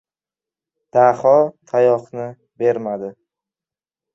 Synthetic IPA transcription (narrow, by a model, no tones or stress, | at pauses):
d̪̥ahɒt̪ʰajɒqnɪ | be̞ɾmad̪ɪ